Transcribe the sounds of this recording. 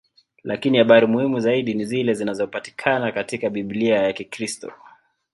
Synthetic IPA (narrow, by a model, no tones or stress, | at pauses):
lʔakinihaɓaɾimuhimuzaiɗinizilɛzinazɔpati̥kʰanakatikaɓiɓliajakikɾistɔ̰